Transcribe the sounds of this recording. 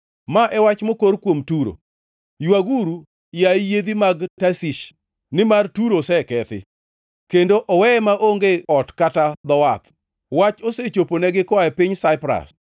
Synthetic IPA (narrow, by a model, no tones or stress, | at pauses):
maʔɛwat͡ʃmokoɾkwomtuɾo̰ | jwaɡuɾu | jaijed̪imaɡtasiʃ | nɪmartuɾosɛkɛt̪ɪ̰ | kendoʔɔwɛmaʔoŋɡeɔtkatad̪ɔwat̪ | wat͡ʃoset͡ʃoponɛɡɪkwaɛpɪɲsaɪpɾa̰s